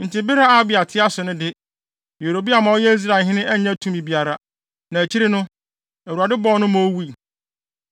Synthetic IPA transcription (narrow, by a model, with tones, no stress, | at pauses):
n̩˨tʰɪ˨bɪ˦ɾa˦a˨˦bɪ˨a˨tʰɪ˦a˦sʊ˨nʊ̃˦dɪ˦ | jo˨ɾo˨bi˦a˨mã˨˦ɔ˦jɛ˦i˦s̬ɾa˨ɦɪ̃˦nɪ̃˦ʔɛ˦ã˦tʰũ˦mĩ˨bi˨˦a˨ɾa˦ | nã˨æ˨t͡ɕʰi˦ɾɪ˦nʊ̃˦ | æ˨wu˨a˨dɪ˦bɔ˦˨˦nʊ̃˦mõ˦wu˦i˨